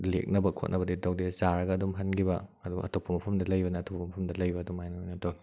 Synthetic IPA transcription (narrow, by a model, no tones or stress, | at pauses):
lḛk̚nɐbɐkʰo̰t̚nɐbɐdidɐwdezaɾɐɡɐːdumɦɐnɡibɐɐduɡ̰ʔɐ̰topʰːɐmɐpʰɐmdɐlɐjbɐnɐːtopʰɐɐmɐpʰɐmdɐlɐjbɐːdumajnɐojnɐtoi